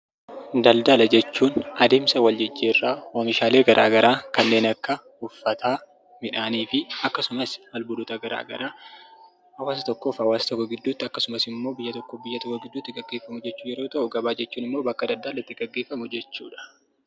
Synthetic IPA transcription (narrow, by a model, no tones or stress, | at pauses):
d̪ɐld̪ɐlɐd͡ʒɛt͡ʃːuːnɐd̪e̞ːmsɐwɐld͡ʒɛd͡ʒːeːrːaːoːmɪʃaːleːɡɐɾʔa̰ːɡɐɾʔaːkɐnːe̞ːnɐkːɐ | ʊfːɐt̪ʰaː | mɪᶑaːniːfɪɐkːɐsʊmɐsɐlbʊlʊt̪ɐɡɐɾa̰ːɡɐ̰ɾaː | hɐwaːsɐt̪ɔkːo̞ːfhɐwaːsɐ̥t̪ɔkːɔɡɪd̪ːuːt̪ːɪɐkːɐsʊmɐsɪmːo̞ːbɪjːɐt̪ɔkːoːfbɪjːɐt̪ɔkːɔɡɪd̪ːuːt̪ːɪɡɐɡːe̞ːfːɐmʊd͡ʒɛt͡ʃːuːjɛɾo̞ːt̪ɐʔʊɡɐbaːd͡ʒɛt͡ʃːuːnɪmːo̞ːbɐkːɐd̪ɐld̪ɐlɐɪt̪ːɪɡɐɡːeːfːɐmʊd͡ʒɛt͡ʃːṵːᶑɐ̥